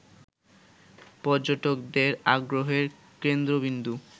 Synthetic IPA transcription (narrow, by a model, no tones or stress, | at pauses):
pɔɾd͡ʑoʈokd̪eɾaɡɾoɦeɾ | kend̪ɾobind̪u